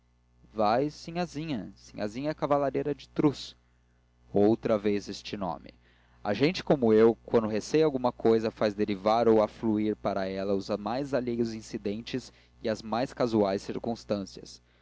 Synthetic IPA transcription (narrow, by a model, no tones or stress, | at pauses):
vajsĩɲɐzĩɲɐsḭ̃ɲɐ̰zĩɲɐɛkavalaɾejɾɐd͡ʒɪt̪ɾus | owt̪ɾɐvezest͡ʃɪnõ̰mɪ̰ | ɐ̰ʒẽnt͡ʃɪ̥komʊewkwɐ̃nd̪ʊɦesejawɡũmɐkojzɐfazd̪eɾivaɾowafluiɾpaɾɐɛlɐʊzmajzaʎejʊzĩsid̪ẽnt͡ʃɪz | ɪɐzmajskazuajsiɾkũst̪ɐ̃siɐs